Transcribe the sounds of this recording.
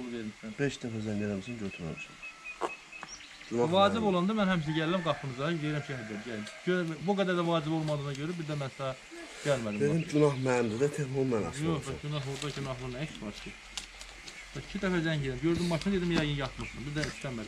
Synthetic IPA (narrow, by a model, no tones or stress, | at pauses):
veɾmisæbeʃd̪æfæzæɲeɾæmsænɟøt̪ʰymæ̰msæ̰n | ynɑvɑːd͡ʒibo̞lˠɑnd̪ɯmænhæmʃ̬ɛɟælːæmɡɑpʰɯnɯzɑd̪eeɾæmʃʰɛhɾd̪æb̪jæɟøbuɡæd̪æɾd̪ævɑːd͡ʒibo̞lˠmɑd̪ɯːnɑɟøɾæbiɾd̪æmænsɑɑ | ɟ̥ælmæd̪imbenimd͡ʒynɑhmæmd̪id̪æt̪ʰehmomænɑ̰joxbɑɟynɑɦlˠuɾd̪ɑɟynɑɦlˠɯɾnesvɑɾcʰi | b̥ɛi̥cʰid̪æfæzæɲeɾæmɟøɾd̪imːɑʃʰinɯd̪ed̪imjæɡɯnjɑt̪ʰmɯʃt̪ɯmbiɾd̪æist̪æmːæd̪im